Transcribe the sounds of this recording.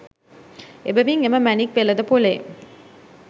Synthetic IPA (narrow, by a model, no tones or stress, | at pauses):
ebəmiŋeməmænikʋeləd̪əpole